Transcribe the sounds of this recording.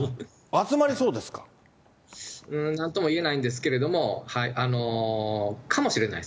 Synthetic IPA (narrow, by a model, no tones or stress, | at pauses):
at͡sɨmaɾʲiso̞ːd̪e̞sɨ̥kḁ | ɯ̟̃ːnãnt̪omoie̞naĩnd̪e̞s̬ɨ̥ke̞ɾe̞d̪o̞mo̞haiʔano̞ | kʰamo̞ɕiɾe̞na̰i